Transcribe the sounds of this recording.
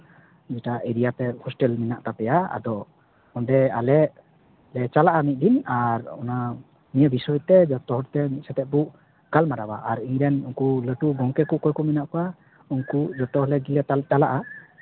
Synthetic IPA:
d͡ʒɛʈaʔeɾijat̪ɛhɔsʈɛlminaʔt̪apɛjaa̰d̪ɔ | ɔndɛa̰lɛ | lɛt͡ʃalaʔamit̪̚ˀd̪inaɾɔ̰na | mijəbisɔjɔt̪ɛd͡ʒɔt̪ɔhɦɔɾt̪ɛmit̪̚sɛt̪ɛʔ̚buʔ | ɡ̥almaɾabaʔaɾiŋɾɛnuŋkuləʈuɡɔŋkɛkɔʔkɔjkɔminaʔkɔa | uŋkud͡ʒɔt̪ɔɦɔlɛɡilət̪atalaʔa

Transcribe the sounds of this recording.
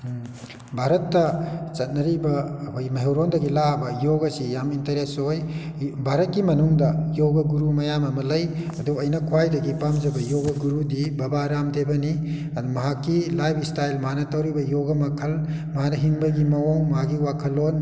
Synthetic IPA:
bʱaɾɐtːɐt͡ʃɐt̚nɐɾibɐjmɐɦewɾondɐɡilabɐjoɡɐsijamintɐɾesoj | bʱaɾɐt̚kimɐnuŋdɐjoɡɐɡuɾumɐjamɐmɐlɐjɐduɐjnɐkʰwajdɐɡipamd͡ʒɐbɐjoɡɐɡuɾudibɐbaɾamdebɐni | ɐdumɐɦakːilajbistajlmɦanɐtɐwɾibɐjoɡɐmɐkʰɐl | mɐɦanɐɦiŋbɐɡimɐoŋmɐɦaɡiwakʰɐlon

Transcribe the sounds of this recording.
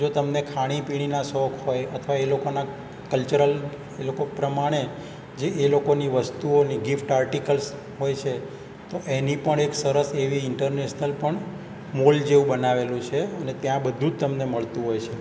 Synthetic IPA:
d͡ʒot̪əmnekʰaɽ̃ipiɽ̃inasɔkʰɦojət̪ʰʋaelokona | kəlt͡ʃuɾəl | elokopɾəmaɽ̃e | d͡ʒeːlokoniʋəst̪uoniɡifʈaɾʈikəls | ɦojt͡ʃʰe | t̪oʔenipəɳeksəɾəseʋiɪɳʈəɾneʃnəlpəɳ | mold͡ʒeʋũbənaʋelũt͡ʃʰeənet̪jãbəd̪ʱũd͡ʒt̪əmneməɭt̪ũɦojt͡ʃʰe

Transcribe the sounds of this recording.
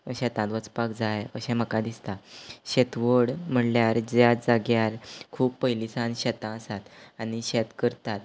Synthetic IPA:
əɕɛt̪ãd̪ʋət͡spakd͡zajəɕɛ̃m̤əkad̪ist̪aɕet̪ʋəɽm̤əɳljaɾd͡ʑjad͡zaɡjaɾkʰuːpːəjlisãnɕɛt̪ãəsat̪añiɕet̪kəɾt̪at̪̚

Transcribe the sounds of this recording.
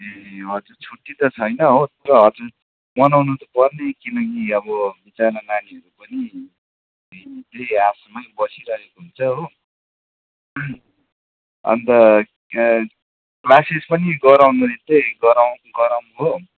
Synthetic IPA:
eɦʌd͡zuɾt͡sʰuʈːit̪ʌt͡sʰʌjnʌɦot̪ʌɾʌɦʌd͡zuɾ | mʌnawnut̪ʌpʌrnekinʌkiʌβʌbit͡sarnʌnaniʌɾupʌni | it̪easmajbʌsiɾʌɦekoɦunt͡sʰʌɦo | ʌ̰nt̪ʌ | klasispʌniɡʌɾawnuɾit̪eɡʌɾawnɡʌɾawnuɦo

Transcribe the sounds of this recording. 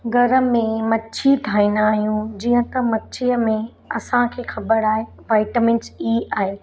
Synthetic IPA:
ɡʱɐɾə̆mẽmɐtːt͡ɕʰit̪ʰaːinaːɦijũd͡ʑiːə̃t̪ɐmɐtːt͡ɕʰijəmẽ | ɐsãkʰeːxɐbəɾaːɦe | ʋaːɪʈəmɪ̃nt͡ʃiːaːɦeː

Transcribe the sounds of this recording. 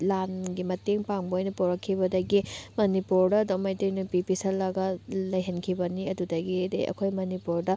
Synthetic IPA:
lanɡimɐteŋpaŋbɐojnɐpowɾɐkʰːibɐdɐɡimɐnipuɾdɐdomɐjtojnupipisɐlːɐɡɐlɐjɦɐnkʰibɐniɐdudɐɡidɐ̰jɐ̰kʰojmɐnipuɾdɐ

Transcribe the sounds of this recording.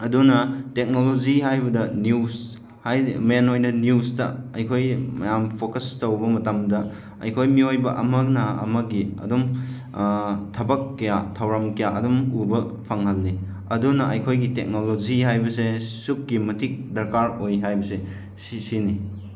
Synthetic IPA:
ɐdunɐtek̚noloziɦajbɐdɐnjus | hajmanojnɐnjustɐɐjkʰojmɐjampʰokɐstowbɐmɐtamdɐ | ɐ̰jkʰojmiojbɐʔɐmɐknɐɐ̰mɐɡiɐ̰dum | tʰɐbɐkːɐjatʰɐwɾamkɐjaɐdumubɐpʰaŋhɐlni | ɐdunɐʔɐjkʰojɡitek̚noloziɦajbɐsesukːimɐtʰik̚dɐɾkaɾojɦajbɐse | ssini

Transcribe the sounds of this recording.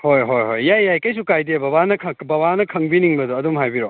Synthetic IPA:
hojɦojɦojːajːajkɐjsukajdebɐβanɐkʰɐbɐbanɐkʰɐŋbiniŋbɐduɐdumhajbiɾo

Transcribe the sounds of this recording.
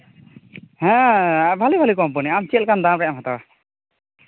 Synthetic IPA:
hɛ̃bʱalibʱalikɔmpɔniamt͡ʃɛlkandamɹɛjamɦat̪awa

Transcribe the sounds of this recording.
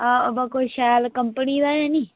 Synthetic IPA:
abakoʃaːlkəmpənid̪ajãni

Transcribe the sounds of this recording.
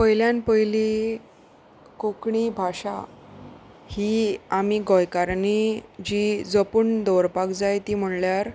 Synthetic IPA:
pəjljãnpəjli | kokɳibʱaɕa̰ | hiamiɡɔjkaɾnid͡ʑid͡zəpuɳd̪ɔɾpakd͡zajt̪im̤əɳljaɾ

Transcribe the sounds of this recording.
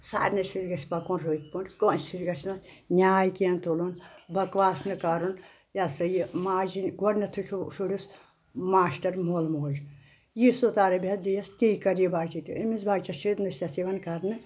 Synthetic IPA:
sa̰ːɾʲnɐsiɾɡɐsʲpɐkonɾoit̪̚punʲkonsiɾɡɐsʲnɐnʲaːjkijɐnt̪olonbɐkʋaːsnɨkɐɾun | jɐsɐjimaːd͡ʒinɡoɽnɐt̪ʰut͡ʃʰuʃuɽʲis | maːʃʈɐɾmoːlmoːd͡ʒ | jisot̪aːɾɐbʲɐd̪ijɐskikɐɾjibaːt͡ʃit̪iemizbaːɡt͡ʃɐʃid̪nɨsʲɐsiʋɐnkɐɾnɨ

